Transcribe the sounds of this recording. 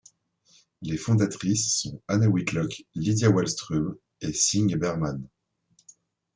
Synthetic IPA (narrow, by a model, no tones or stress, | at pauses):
lefɔ̃d̪at̪χisːɔ̃anawit̪lɔklid̪jawɛlst̪χum | esiŋbɛʁman